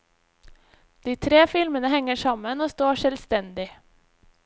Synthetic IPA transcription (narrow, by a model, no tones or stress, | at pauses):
d̪̥iːt̪ʰɾeːfɪlmənəhɛŋəʃɑmənoːst̪oːʃɛlst̪ɛnd̪ɪ